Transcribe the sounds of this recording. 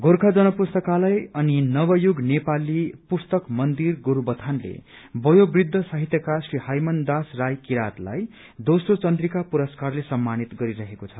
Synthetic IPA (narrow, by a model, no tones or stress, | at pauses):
ɡʱoɾkʰad͡zʌnʌpust̪ʌkalʌjʌninʌbʌjuɡnepalipust̪ʌkmʌnd̪irɡoɾubʌt̪ʰanlḛ | bʌjobrid̪ʱːʌsʌɦit̪jʌkasrihajmʌnd̪asrajkiɾat̪la̰j | d̪osrot͡sʌnd̪rikapuɾʌskarlesʌmːanit̪ɡʌɾiɾʌɦekot͡sʰʌ